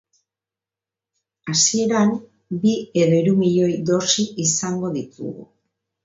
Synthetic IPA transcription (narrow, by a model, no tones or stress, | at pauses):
asie̞ɾam | bie̞ðoiɾumiʎo̞jd̪o̞siisaŋɡo̞ðit̪ṵɣṵ